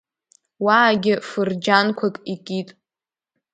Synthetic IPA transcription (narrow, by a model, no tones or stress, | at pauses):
waːɡʲɪfɨrd͡ʒankʷʰakʼikʼitʼ